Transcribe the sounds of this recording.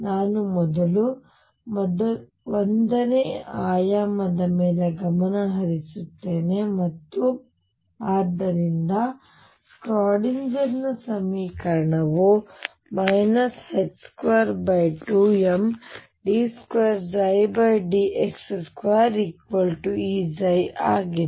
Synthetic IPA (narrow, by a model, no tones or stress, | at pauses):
naːnumɔd̪ɐlu | md̪ | ond̪ɐneːaːjamɐd̪ɐmeːlɐɡɐmɐnɐɦɐɾisut̪ːeːne̞mɐt̪ːu | aːɾd̪ɐɾind̪ɐ | skɾaːɽind͡ʒɐɾnːɐsɐmiːkɐɾɐɳɐʋu | mɐjnɐsheʈskʋaːɾbɐjʈuːem | ɖiːskʋeːɾd͡ʒɐjbɐjɖiʔeksskʋaːɾikʋɐlʈuiːd͡ʒɐjaːɡi